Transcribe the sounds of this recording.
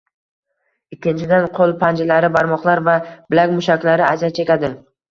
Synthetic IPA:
ɪkʲʰːɪnt͡ʃʰɪd̪anqʰolˠpʰand͡ʒɪlaɾɪbaɾmɒqlˠaɾvab̥ɪlakʲmʊʃakʲlaɾɪazat͡ʃʰe̞kʲad̪ɪ

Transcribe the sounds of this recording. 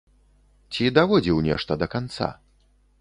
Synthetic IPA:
t͡sʲid̪avɔd͡zʲiwnʲɛ̰ʂt̪ɐd̪ɐkant̪sa̰

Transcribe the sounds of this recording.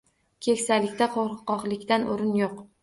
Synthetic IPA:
kʲʰe̞kʲsalɪkʲt̪aqʰoɾɨqːɒχlˠɪkʲt̪anʔoɾɪnjoq

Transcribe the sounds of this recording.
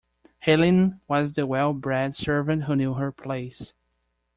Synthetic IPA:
hɛlˠɪ̃nwʌzðɨwɛlˠbɹædsɜ˞vɨ̃nt̚ɦunjuɦə˞pʰl̥eɪs

